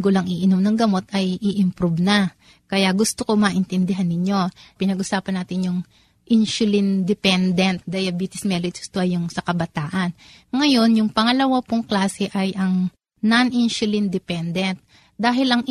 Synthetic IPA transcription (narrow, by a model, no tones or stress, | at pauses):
ɡolɐŋiʔɪnomnɐŋɡɐmo̞t̪ʔɐjʔiʔɪmpɾubnɐ | kɐjaɡʊst̪oko̞maːʔɪnt̪ɛnd̪ɪɦanːɪɲːo̞pɪnɐɡʔʊsaːpɐnːaːt̪ɪnjʊŋ | ʔɪnʃʊlɪnd̪ɪpɛnd̪ɛnt̪̚d̪ɐjɐbiːt̪ɪsmɛlot̪st̪oʔɐjʊŋsɐkɐbɐt̪aːʔɐn | ŋɐjo̞njʊŋpɐŋɐlɐwapoŋklaːsɛʔɐjʔɐŋ | nɐnʔɪnsʊlɪnd̪ɪpɛnd̪ɛnt̪̚ | d̪aːɦɪlɐŋ